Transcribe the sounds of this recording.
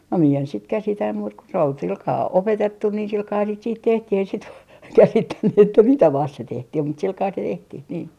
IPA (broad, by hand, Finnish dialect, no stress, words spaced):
no mie en sit kæsitæ muːt ko sĕ ol silkɑː opetetːu ni silkɑːhɑn sit siːt tehtih ei sit kæsitːænːy etːæ mitæ ʋɑst se tehtih mut silkɑː se tehtih niː